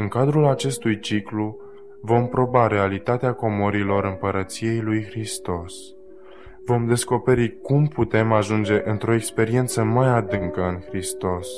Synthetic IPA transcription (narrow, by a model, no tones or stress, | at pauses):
ɨŋkad̪ɾulat͡ʃe̞st̪ujt͡ʃiklu | vo̞mpɾo̞baɾe̞alit̪at̪eako̞moɾilo̞ɾɨmpəɾət̪sije̞jlujxɾist̪o̞s | vo̞md̪e̞sko̞pe̞ɾikumput̪e̞maʒund͡ʒe̞ʔɨnt̪ɾo̞ekspe̞ɾie̞nt̪səmajad̪ɨŋkəɨnxɾist̪o̞s